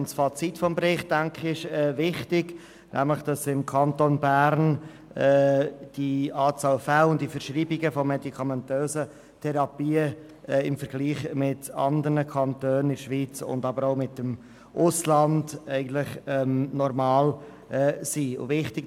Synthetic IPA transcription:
nsfɑt͡sitfɔmbɾɪχt̚d̥æŋkχɪʃɛːvɪχtɪɡ | nʔæ̰mləχd̥ɑsɪmkʰɑntonbæɾn | ɛːd̥iɑːt͡sɑːlfælʊnd̥ifəɾʃɾiːbiɡəfɔmɛdikʰɑmɛntøːzə | tʰɛɾɑpiːə | ɛɪmfəɾɡ̥liːχmɪtɑ̰nd̪əɾnəkʰɑntøːnəɪdəʃʋiːt͡sʊ̰ndɑbəɾoʊmɪtəm | ʔʊslɑndɛɪɡən̩t̪lɪχɛmnɔɾmɑːl | ʔɛːsiʊ̰vɪχtɪ̥

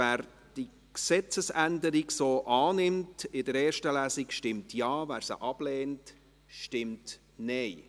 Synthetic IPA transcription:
æːɾ | d̥i | ksɛt͡səsændəɾiɡsoːʔɑːnɪmtɪdəɾɛːɾʃtəlæːsikʃtɪmtʰjɑːvæːɾsə̰ʔɑb̥lɛːnt | ʃtɪmt | nɛɪ

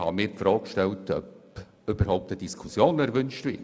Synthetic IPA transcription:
hɑ̰mɪːɾpfɾɔːkkʃtɛltœ̰p | ʏb̥əɾhɔʊp̚təd̥iskʰusjoːnɛɾʋʏnʃtʋɪt

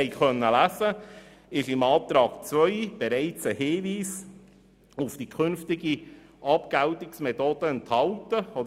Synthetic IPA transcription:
ɛɪkʰœnːəlæsə | ɪʃɪmɑːt̪ɾɑːɡ̥t͡svœʏb̥ɛɾɛɪt͡səhɪːviːs | ʊfd̥ikʰʏnftɪɡi | ʔɑpɡ̥æwtɪksmɛtoːd̥əɛnthɑltəɔd

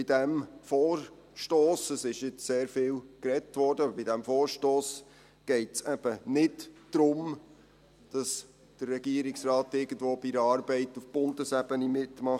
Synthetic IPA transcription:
b̥ɪdæmfoːr | ʃtoːsəsɪʃjɪt͡sseːɾfɪːlkrɛtʋɔːɾd̥əɑbəbɪdæmfoːɾʃtoːs | ɡ̥ɛɪtsɛb̥ənɪtd̥ɾʊm | d̥ɑs | d̥ərːɛɡ̥iəɾɪksrɑːtɪɾɡən̩dvoːb̥iɾəɑːɾbɛɪtufb̥ʊndəsæbənimɪtmɑχ

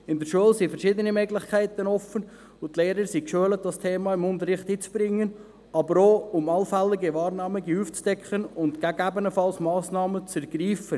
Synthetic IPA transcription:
ɪnd̪əɾʃuəlsifəɾʃid̪ənimøɡlɪχkʰæɪt̪ənɔfən | ʊt̪leːɾəɾsikʃøələt̚d̥ɑstʰeːmɑɪmʊnt̪əɾɪχthiːt͡sb̥ɾɪŋːən | ɑbəɾoːʊmɑlfɛlːɪɡiʋɑːɾnɑːmɪɡiuːft͡sd̥ɛkχənʊntɡ̥æɡæbənəfɑlsmɑːsnɑːmət͡sɛɾɡ̥ɾiːfə

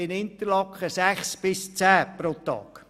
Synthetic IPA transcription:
ɪnɪnt̪əlɑkχəsæχsb̥ɪst͡sæːpɾot̪ɑ̰ːk

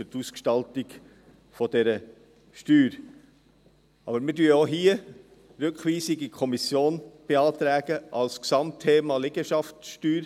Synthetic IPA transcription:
ʏɾtuskʃtɑltɪɡ | fɔdɛɾə | ʃtyːɾ | ɑbəɾmɪdyəɔɦiə | ɾøkχʋiːsiɡikʰɔmisjoːnb̥eɑːt̪ɾæːɡ̥əʔɑlsksɑmtʰːeːmɑleɡ̥əʃɑftʃtyːɾ

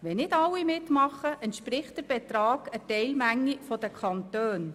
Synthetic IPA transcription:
ʋɛnɪdɑlːimɪtmɑχːəʔɛntʃpɾɪχt̚d̥əɾb̥ɛt̪ɾɑːɡ̥ətɛɪlmæŋːifɔd̥̪əkʰɑnt̪øːn

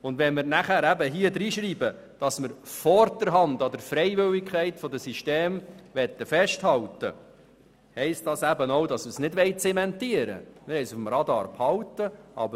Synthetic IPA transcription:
ʊndʋɛnmɪɾnæχæːɾæbəɦiəd̪ɾiːʃɾiːbə | d̥ɑsməɾfɔɾdəɾɦɑnd̪ɑd̪əɾfɾɛɪʋɪwɪkʰɛɪtfɔdəsiʃteːmʋɛt̪ːəfɛʃthɑltə̰ | hɛɪst̚d̥ɑsæbənowdɑsməsnɪdʋɛjt͡sɛmɛntiəɾə̰mɪɾhɛɪsufmɾɑd̪ɑ̰ːɾphɑwt̪əʔɑ̰bə

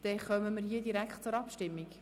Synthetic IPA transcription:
d̪̥ɛχœməməɾɦiədiɾækχtt͡sʊɾɑpʃtɪmːik

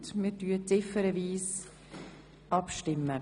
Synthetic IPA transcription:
tmɪɾtyət͡sɪfəɾəviːs | ʔɑpʃtɪmːə

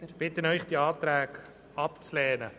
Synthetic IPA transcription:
b̥ɪt̪ənœʏχd̥iɑːt̪ɾæːk | ɑpt͡slɛːnə

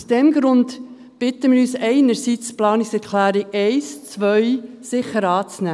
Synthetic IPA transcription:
usd̥ɛmɡɾʊnt | b̥ɪtəmɪːɾyːsɛɪnəɾsit͡splɑːnɪksɛɾkʰlæːɾiɛɪst͡sʋœʏ | sɪχəɾɑːt͡snæː

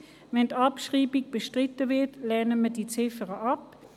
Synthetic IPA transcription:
vɛntɑpʃʁiːbiɡ̚b̥əʃtʁɪtəvɪɐtlɛɐnəmədit͡sɪfəʁəʔɑp̚

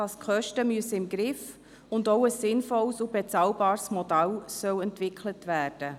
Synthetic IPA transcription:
ɑskʰœʃtəmyəsəɪmɡɾɪf | ʊndoʊəsːɪnfɔlsubɛt͡sɑlbɑːɾsmɔdælsœwɛntvɪkʰlətvæːɾd̥ə

